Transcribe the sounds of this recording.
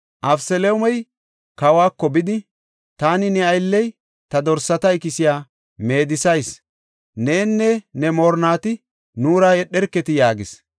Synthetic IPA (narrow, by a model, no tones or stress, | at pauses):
ʔɐfsɛleʊmɛj | kɐwaːkːɔbɪd̪ɪ | t̪aːnɪnɛɐjlːɛj | t̪ɐd̪ɔɾsːɐt̪ɐɪkɪsɪjaː | me̞ːd̪ɪsɐjs | ne̞ːnːɛnɛmɔːɾnaːt̪ɪ | nuːɾaːɛɗːɛɾkːɛt̪ɪjaːɡɪs